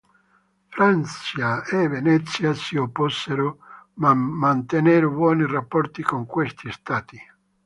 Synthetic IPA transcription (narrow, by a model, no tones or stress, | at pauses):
fɾant͡ʃjaevenɛt̪sːjasiopːɔsːeɾʊmmːant̪eneɾbwɔːnirapːɔrt̪ikoŋkwest̪ist̪aːt̪i